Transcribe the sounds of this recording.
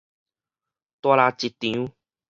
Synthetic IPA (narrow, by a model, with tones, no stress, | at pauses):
t̪wa˧la˧t͡ɕi˨t̪ĩ˨˦u˦